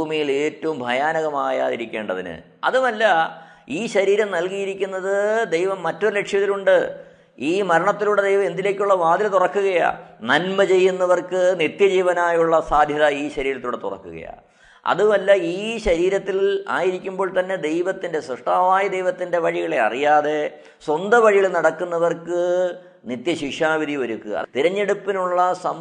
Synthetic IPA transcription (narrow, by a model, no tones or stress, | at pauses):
bʱuːmijile̞ːtːɐʋumbʱɐjaːnɐɣɐmaːja̰ːiɾikʲːe̞ːɳɖɐðḭnɨ̰ | ɐ̰ðumɐlːɐ | iːɕɐɾiːɾɐmnɐlkijiɾikʲːunːɐðɨd̪e̞jʋɐmːɐtːo̞ɾɨle̞kʂjɐt̪ːiluɳɖɨ | iːmɐɾɐɳɐt̪ːiluɽed̪ejʋɐe̞nd̪ile̞ːkʲːuɭːɐʋaːd̪lɐt̪urɐkːuɣɐja̰ːnɐnmɐt͡ɕe̞jːunːɐʋɐrkɨnit̪jɐd͡ʑiːʋɐnaːjuɭːɐsaːd̪ʱjɐðɐiːɕɐɾiːɾɐt̪ːiuɽet̪ṵrɐ̰kːuɣɐ̰ja̰ | ɐ̰ðuʋɐlːɐiːɕɐɾiːɾɐt̪ːila̰ːjiɾikʲːumboːɭt̪ɐnːe̞d̪e̞jʋɐt̪ːindesrɐʂʈaːʋaːjɐd̪e̞jʋɐt̪ːinde̞ʋɐɻiɣɐɭe̞ɐ̰rijaːðe̞ | swɐnd̪ɐʋɐɻijilnɐɽɐkːunːɐʋɐrkɨ | nit̪jɐɕiʂaːʋiðʱiʋɐɾukːuɣɐ̰ɐ̰t̪iɾɐɲːe̞ɽupːinuɭːɐsɐm